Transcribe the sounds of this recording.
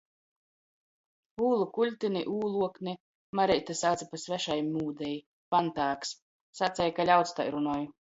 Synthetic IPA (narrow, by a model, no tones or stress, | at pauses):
uːlˠukulʲt̪inʲiʔuːlˠuɔknʲi | maɾɛjt̪asaːt̪sapasvæʃajmuːd̪ɛj | pant̪aːks | sat̪sɛjkalʲawt̪st̪a̰jɾunɔju